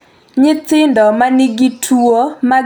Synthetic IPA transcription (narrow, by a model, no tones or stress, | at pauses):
ɲɪt͡sɪndɔmanɪɡitʰuoma